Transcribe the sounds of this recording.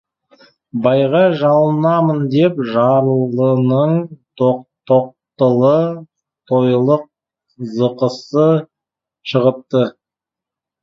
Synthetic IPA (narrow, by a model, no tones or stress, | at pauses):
bɑjʁɑʒɑlˠənɑmənd̪e̞pʒɑɾəlˠənəɴt̪ʰoq̚t̪ʰoq̚t̪əlˠə | t̪ʰojlˠəq̚ | zəqəsə | ʃəʁəp̚t̪ə